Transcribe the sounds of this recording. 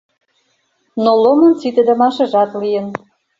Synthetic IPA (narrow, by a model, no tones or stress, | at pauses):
nolomɤ̆nt͡sit̪ĕd̪ə̆mɑʃɤ̆ʒɑt̪lijə̆n